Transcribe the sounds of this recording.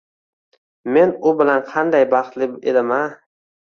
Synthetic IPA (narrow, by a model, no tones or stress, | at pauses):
menʊbɪlanqʰɑnd̪ajbɑχt̪lɪbḛd̪ɪma